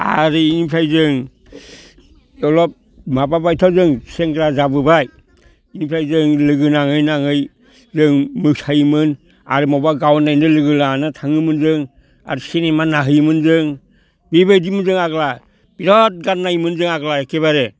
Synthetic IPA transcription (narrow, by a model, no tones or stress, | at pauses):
a̰ɾiinipʰɾajzɯŋ | ɔlɔp̚ | mababajtʰawzɯŋseŋɡɾazabɯbaj | inipʰɾajzɯŋlɯɡɯnaŋɯjnaŋɯj | zɯŋmɯksajmɯn | a̰ɾimawbaɡawnajnɯlɯɡɯlanɯtʰaŋɯmɯnzɯŋ | a̰ɾisinemanaɦɯjmɯnzɯŋ | bibajdimɯnzɯŋaɡla | biɾɔt̚ɡannajmɯnzɯŋaɡlaekʰeβaɾe